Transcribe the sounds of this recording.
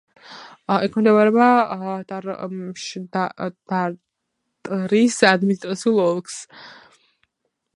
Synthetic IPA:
ɛkʰmd̪ɛvaɾɛbat̪ʼaʃd̪ad̪aɾ | t̪ʼɾisad̪minist̪ʼɾat̪sʰiulˠɔlˠks

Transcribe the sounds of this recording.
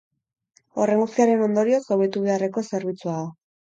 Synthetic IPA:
o̞re̞ŋɡust̪iaɾe̞no̞nd̪o̞ɾio̞sawβe̞t̪uβeare̞ko̞se̞ɾβ̞it͡suaðo

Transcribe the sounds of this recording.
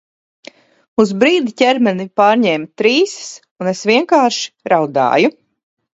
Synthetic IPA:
uzbɾiːd̪icʲɛɾmɛnipaːɾɲɛːmt̪ɾiːss | unesviɛŋkaːɾʃi̥ɾawd̪a̰ːju

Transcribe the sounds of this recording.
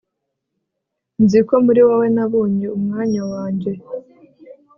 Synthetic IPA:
nziko̞muɾiwawe̞naβuːɲiumŋaːɲawaːɲɟe̞

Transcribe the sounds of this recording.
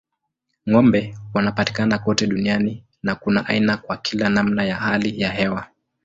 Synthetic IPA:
ŋɔmbɛwanapati̥kanakɔtɛɗuniani | nakunaʔa̰inakwakʰilanamnajahalijaɦɛwa

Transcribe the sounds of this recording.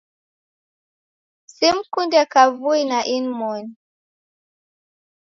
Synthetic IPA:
sim̩kundɛkavuinaʔinmɔn

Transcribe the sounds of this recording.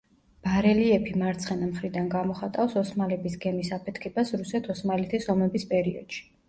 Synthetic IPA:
b̥aɾɛliɛpʰimaɾt̪sʰχɛnamχɾid̪anɡamɔχat̪ʼafsɔsmalɛbisɡɛmisapʰɛt̪ʰkʰɛbasɾusɛt̪ʰɔsmalɛt̪ʰɛsɔmɛbispʼɛɾiɔ̰d̪̥ʃi̥

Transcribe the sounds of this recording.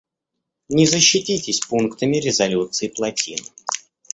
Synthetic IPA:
nʲɪzəɕːɪtʲitʲɪsʲpunkt̪əmʲɪɾʲɪzɐlʲut̪sɨɪplˠɐtʲḭn

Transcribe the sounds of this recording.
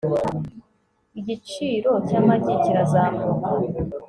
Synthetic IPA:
iɟit͡ʃiːɾo̞caːmaɟiciɾazaːmuka

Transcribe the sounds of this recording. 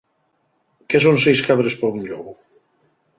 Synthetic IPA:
kes̬onsejskaβɾespaunʎɔɣʊ

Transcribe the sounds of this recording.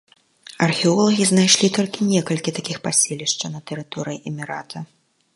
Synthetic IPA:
ɐrxʲɛɔlˠɐɣʲiznajʂlʲit̪ɔlʲkʲinʲɛkɐlʲkʲit̪akʲixpasʲelʲiʂt͡ʂɐnɐt̪əɾɨt̪ɔɾɨjiʔɛmʲiɾat̪ʰɐ

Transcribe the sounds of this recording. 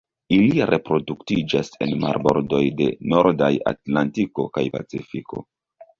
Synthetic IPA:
iliɾʔe̞pɾo̞duktid͡ʒase̞nma̰ɾbo̞ɾdo̞jde̞no̞ɾdaja̰tlantiko̞kajpa̰t͡sifiko̞̰

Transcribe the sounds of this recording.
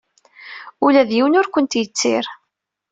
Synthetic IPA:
ulæðjiwənʊɾkʷənt̪jət͡sːɪ̰ɾ

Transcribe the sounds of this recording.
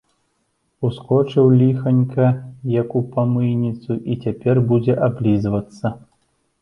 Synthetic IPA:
uskɔt͡ʂɨwlʲixɐnʲkɐjɐkupamɨjnʲit̪suʔit͡sʲapʲɛrbud͡zʲɛʔablʲizvɐt̪sːɐ

